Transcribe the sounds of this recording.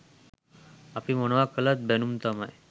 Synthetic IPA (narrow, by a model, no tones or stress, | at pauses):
apiməɽʋakələt̪̚benumt̪əmaj